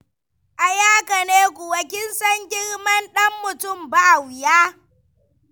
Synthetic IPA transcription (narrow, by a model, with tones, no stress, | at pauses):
ʔa˨jaː˦kɐ˨neː˦kʷu˨wɐ˨kʲɪ˦nsɐ˦ŋɡʲɪ˦ɽmɐ˦nɗɐ˦mːʊ˨tʊ˦˨mba˦ʔa˨wjaː˦